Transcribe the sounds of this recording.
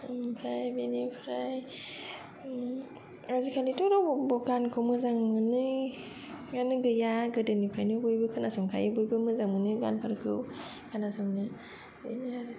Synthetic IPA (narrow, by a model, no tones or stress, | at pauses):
mpʰɾajbinipʰɾaj | azikʰalitɔɾɔbɔɡankʰɯwmɯzaŋmɯnɯ | ɡanɯɡɯjaɡɯdɯnipʰɾajnɯbujbɯkʰɯnasɔŋkʰa̰jɯbujbɯmɯzaŋmɯnɯɡa̰npʰaɾkʰɯw | kʰanasɔŋnɯ | binaɾ